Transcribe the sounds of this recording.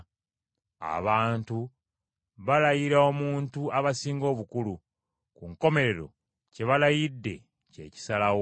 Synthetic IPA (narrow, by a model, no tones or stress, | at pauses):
a̰βaːntu | βalajiɾaomuːntuaβasiːŋɡo̞ːβukulu | kuŋko̞me̞ɾe̞ɾo̞̰ | ce̞βalajidːe̞̰ | ce̞̰ːci̥salaw